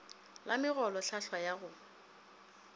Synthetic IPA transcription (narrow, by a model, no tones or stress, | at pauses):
lamɪɣɔlɔɬaɬwajaɣʊ